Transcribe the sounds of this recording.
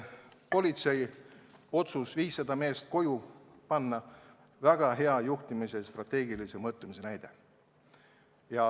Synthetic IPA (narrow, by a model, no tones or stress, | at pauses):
po̞lʲit̪se̞j | o̞t̪susviːsːɑd̪ɑme̞ːst̪̚ko̞ju | pɑnːɑ | væɡ̥ɑɦe̞ɑjuht̪imisest̪rɑt̪ːe̞ːɡilise̞mɤt̪ˑlumise̞næjd̪̥e̞ | jɑ